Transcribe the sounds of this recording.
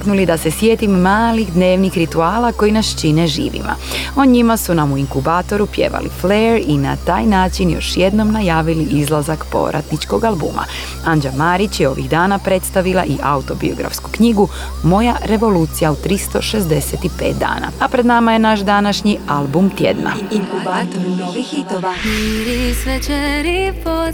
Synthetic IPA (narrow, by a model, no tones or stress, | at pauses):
knulid̪ase̞sje̞ːt̪imːaːlixd̪ne̞ːʋnixɾit̪uaːlako̞jinast͡ʃineʒḭːʋḭma̰ | o̞ɲimasunamuiŋkubaːt̪o̞ɾupje̞̰ːʋa̰lḭfleɾina̰t̪aːjnaːt͡ʃinjo̞̰ʃje̞d̪no̞mnajaːʋiliʔizlˠazakpo̞̰ʋɾʔa̰t̪nit͡ʃko̞ɡalˠbṵmʔa̰ | and͡ʒamaːɾit͡ɕjeo̞ʋḭɣd̪aːnapɾe̞t̪st̪aʋilˠa̰ʔiʔaut̪o̞bḭo̞̰ɡɾa̰fsku̥kɲiɡu | mo̞jaɾe̞ʋo̞luːt̪sijaut̪ɾist̪o̞ʃe̞zd̪e̞set̪ipe̞̰ːt̪̚d̪a̰ːna̰apɾed̪namaje̞naʃd̪anaʃɲialˠbumt̪je̞̰d̪na̰iŋkubat̪ioaɾisʋet͡ʃɛɾip